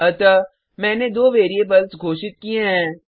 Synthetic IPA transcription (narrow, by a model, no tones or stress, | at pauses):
ɐt̪ə | mɛ̃ːned̪oːʋeːɾiebɐlsɡʱoːʃɪt̪̚kieɦɛ̃ː